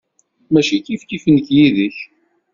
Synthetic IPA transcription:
mæʃikifkifənçjiðəç

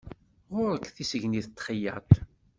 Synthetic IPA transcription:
ʁʊɾəkθisəʝniθt̪ːχəjə̰t̪

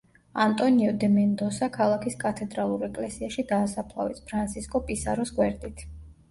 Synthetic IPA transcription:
ant̪ʼɔniɔd̪ɛmɛnd̪ɔsakʰalˠakʰiskʼat̪ʰɛd̪ɾalˠuɾɛkʼlɛsiaʃid̪aːsapʰlˠa̰vispʰɾant̪sʰiskʼɔpʼisa̰ɾɔsɡwɛɾd̪it̪ʰ

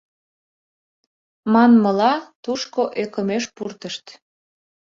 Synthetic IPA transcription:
mɑnməlɑt̪uʃkoʔekəmeʃpurt̪əʃt̪

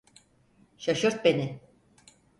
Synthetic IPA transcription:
ʃaʃoɾt̪̚benɪ

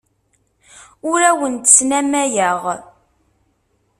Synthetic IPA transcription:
ʊɾæwənt̪ə̥snæmæjəʁ

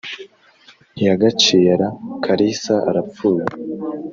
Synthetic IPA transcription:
jaɡat͡ʃiːɾakʰaɾisaʔaɾapp͡fuːje

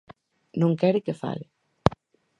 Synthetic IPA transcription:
nõŋkɛɾɪkefa̰lɪ

